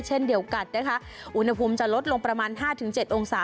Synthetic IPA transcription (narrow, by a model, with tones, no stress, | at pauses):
t͡ɕʰe˥˩ndi˧˩əwka˨˩t̪̚na˦˥˩kʰa˦˥ʔ | ʔu˧nha˧pʰuː˧mt͡ɕa˨˩lo˦˥t̪̚lo˧ŋpɾa˧maː˧nɦaː˥˩t̪ʰɯ˩˦ŋt͡ɕe˨˩t̪̚ʔo˧ŋsaː˩˦